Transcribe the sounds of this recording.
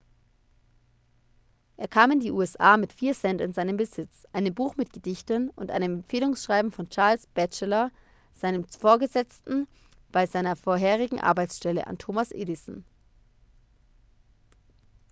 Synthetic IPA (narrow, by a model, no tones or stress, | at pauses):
ʔeːɐkʰaːmɪndiːʔuːɛsʔaːmɪtfiːɐsɛntɪnzaɪnəmbəzɪt͡sʔaɪnəmbuːxmɪt̚ɡ̥ədɪçtənʊntʔa̰ɪnɛmɛmfeːlʊŋsʃʁ̥aɪbm̩fɔnt͡ʃaɐlsb̥ɛt͡ʃəlɐ | z̥aɪnəmfoːɐɡəzɛt͡stn̩ | b̥aɪzaɪnɐfoːɐɦeːʁ̞ɪɡŋ̩ʔa̰ɐbaɪsʃtɛlə̰ʔa̰ntʰoːmasʔḛːdɪsn̩